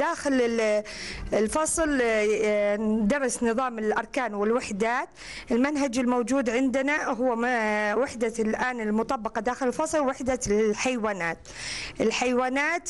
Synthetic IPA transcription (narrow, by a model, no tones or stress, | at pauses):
d̪aːxɪlɪ | ɪlfɑsˤl | d̪ɑɾˤɑsnɨðˤɑːmɪlʔɑɾˤkaːnwɪlwaħd̪aːt̪ | ʔɪlmanɦad͡ʒɪlmowd͡ʒuːd̪ʕɪnd̪ɪnaɦʊwːwɪħd̪alʔaːnɪlmʊt̪ˤɑbːɑqɑd̪aːxɪlɪlfɑsˤlwɪħd̪aħajwaːnaːt̪ʔɪlħajwaːnaːt̪